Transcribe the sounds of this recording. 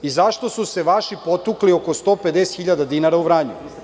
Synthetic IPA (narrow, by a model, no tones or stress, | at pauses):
izaʃt̪o̞suse̞ʋaʃipo̞t̪uklioko̞st̪o̞ped̪ese̥t̪xiʎad̪ad̪inaɾauʋɾaːɲu